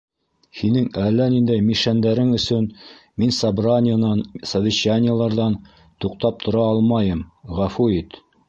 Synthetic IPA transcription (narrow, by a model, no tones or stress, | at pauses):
hinɘŋælːænind̪æjmiʃænd̪æɾɘŋɵ̆sɵn | minsɐbranʲɪjənɑnsɐvʲɪɕanʲɪjəlˠɑɾðɑn | t̪uqt̪ɑp̚t̪ʰŏɾɑɑlˠmɑjɤmʁæfuit̪